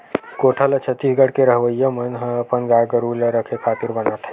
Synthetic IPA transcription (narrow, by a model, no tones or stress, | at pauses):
koːʈʰalət͡ʃʰət̪ːiːsɡəɽkeɾəɦʋəjːəmənɦə̃əpənɡajɡəɾuləɾəkʰekʰaːt̪iɾbənaːt̪ɦə